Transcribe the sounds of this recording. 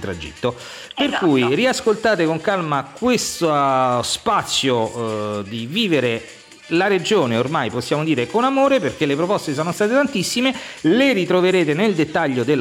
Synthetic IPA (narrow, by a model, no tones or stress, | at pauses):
t̪ɾad͡ʒḭt̪ːo | perkujriaskolt̪aːt̪ekoŋkalmakwest̪ospat̪sːjod̪iviːveɾe | laɾed͡ʒoːneormajposːjaːmod̪iːɾekonamoːɾeperk̟elːepɾopɔst̪es̬ɔːnost̪aːt̪et̪ant̪isːimeleɾit̪ɾoveɾeːt̪eneld̪et̪ːaʎːod̪el